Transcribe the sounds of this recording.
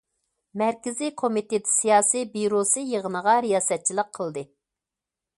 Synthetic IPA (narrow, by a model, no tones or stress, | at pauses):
mɛɾkʲɪzikʰomit̪et̪ɪ̥sijɑːsibiɾosɨjəʁənəʁɑɾijɑːsɛt̪̚t͡ʃʰilˠəqʰːəlˠd̪ɨ